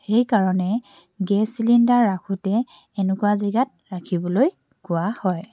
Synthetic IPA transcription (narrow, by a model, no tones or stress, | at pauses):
xejkaɹɔnɛ | ɡɛsilindaɹːakʰutɛː | nukʊwaziɡat̚ɹakʰibɔloj | kʊwahɔj